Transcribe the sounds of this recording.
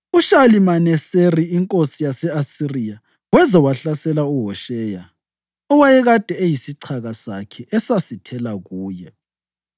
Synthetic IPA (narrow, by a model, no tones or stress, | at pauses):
uʃalimanɛseriiŋkʼosijasɛasirija | wɛzawaɬasɛlauɦɔʃɛːja̰ | ɔwajɛɣad̥ʱɛejisiǀʰaɣasakʰɛʔɛsasitʰɛlaɣuːjɛ̰